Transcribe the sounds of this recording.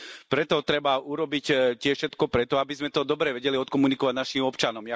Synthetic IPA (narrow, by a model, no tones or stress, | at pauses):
pɾɛt̪ɔt̪ɾɛbauɾɔbictɪɛfʃɛt̪kɔpɾɛt̪ɔabizmɛt̪ɔd̪ɔbɾɛʋɛɟɛliɔt̪kɔmunikɔʋaɟnaʃimɔpt͡ʃanɔmja